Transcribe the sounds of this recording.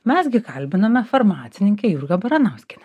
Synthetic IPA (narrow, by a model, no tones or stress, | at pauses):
mʲɛsɡʲɪkɐlʲbʲɪnɐmʲɛfɐɾmɑːt̪sʲɪnʲɪŋʲkʲɛjuɾɡɐbɐɾɐnɐʊsʲkʲɪnʲɛ